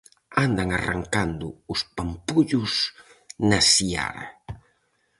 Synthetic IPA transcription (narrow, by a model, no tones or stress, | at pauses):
and̪aŋara̰ŋkand̪ʊʊspampuʎʊs | nasia̰ɾa̰